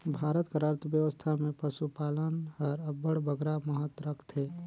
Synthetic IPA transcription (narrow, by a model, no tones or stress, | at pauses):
bʱaːɾət̪kəɾaɾt̪bjəʋəst̪ʰamẽpəsupaːlənɔːɾəbəɽbəɡɾaməɦət̪ɾəkʰt̪eː